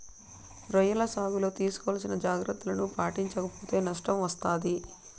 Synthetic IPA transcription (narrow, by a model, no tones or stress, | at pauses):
ɾɐjɐlɐsaːɡulo̞ːt̪iːsu̥kɔʋɐlɐsinɐd͡ʒaːɡɾɐt̪ːulɐnupaːʈiɲt͡ʃɐkɐpoːt̪eːnɐʂʈɐmʋɐst̪aːd̪i